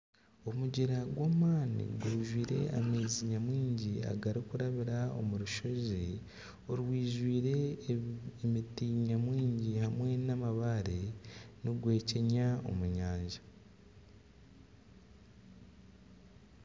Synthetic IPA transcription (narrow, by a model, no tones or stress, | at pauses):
o̞muɟiɾaɡwaːmaːnḭɡwuːʒwiːɾe̞̰a̰meːziɲamwiːɲɟia̰ɡaɾikuɾaβiɾao̞̰muɾuʃo̞ze | oɾiwiːʒwiːɾe̞ | emitiɲamwiːɲɟihamwe̞namaβaɾeniɡwe̞ːceɲao̞̰muɲaːɲʒḁ